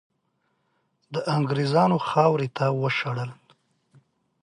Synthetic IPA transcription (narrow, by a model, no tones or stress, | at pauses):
d̪əʔaŋɡɾezɑnoxɑwɾet̪awəʃaɽəl